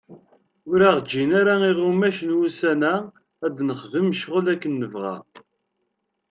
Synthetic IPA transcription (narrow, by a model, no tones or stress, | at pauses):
ʊɾaʁd͡ʒːinaɾæiʁumæʃənwusænæ | æd̪nəχðəmʃʁəlækːənːəvʁæ̰